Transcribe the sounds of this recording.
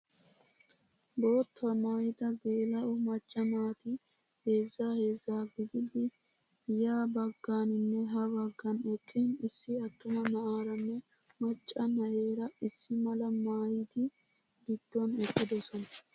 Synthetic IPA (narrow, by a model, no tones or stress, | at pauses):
bo̞ːt̪ːɐmaːjɪd̪ɐɡeːlɐʔʊmɐt͡ʃʼːɐmaːt̪ɪ | he̞ːzːahe̞ːzːaːɡɪd̪ɪd̪ɪ | jaːbɐɡːaːnɪnːɛɦɐbɐɡːɐnɛkʼːɪnɪsːɪɐt̪ːʊmɐnɐʔaːɾɐnːɛ | mɐt͡ʃʼːɐnɐjeːɾɐɪsːɪmɐlɐmaːjɪd̪ɪ | ɡ̪ɪd̪̥ːɔnɛkʼːɪd̪ɔsɔnɐ